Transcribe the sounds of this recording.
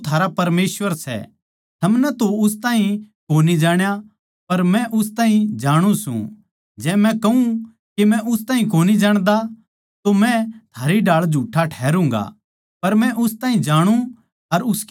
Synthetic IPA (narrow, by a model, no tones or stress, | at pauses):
t̪ʰaːɾapɐɾmeːsʋəɾsɛ̰ | t̪ʰɐmnɛt̪oʊs̬t̪aːĩkoːnid͡ʒaːɽ̃ja | pɐɾmɛ̃ʔʊs̬t̪ãːĩd͡ʒaːɽ̃ũsṵ̃ | d͡ʒɛːmɛ̃kɐɦũ | kemɛ̃ʔʊst̪ãːĩk̬oːnid͡ʒaːɽ̃d̪a | t̪omɛ̃t̪ʰaːɾiɖaːɭd͡ʒʱuːʈʰːaʈʰɛːɾũːŋ̆ɡa̰ | pɐɾmɛ̃ʔʊst̪ãːɦĩd͡ʒaːɽ̃ũ | ɐɾʊsk